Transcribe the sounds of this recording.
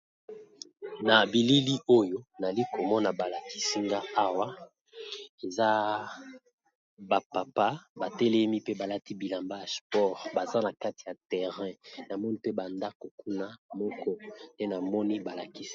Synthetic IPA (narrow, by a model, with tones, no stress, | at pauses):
na˨bi˨li˦li˦o˦jo˦na˨li˦ko˨mɔ˦na˨ba˨la˨ki̥˦si˦ŋɡa˦a˦wa˦ | e˨za˦ | ba˨pa˨pa˦ba˨tɛ˦lɛ˦mi˦pe˦ba˨la˦ti˦bi˨la˨mba˦ja˨spɔ˦ʁba˨za˦na˨ka˦ti˨ja˨tɛ˨ʁɛ̃˦na˨mɔ˦ni˦pe˦ba˨nda˦ko˨ku˦na˦mɔ˦kɔ˦nde˦na˨mɔ˦ni˦ba˨la˨ki˦si̥˦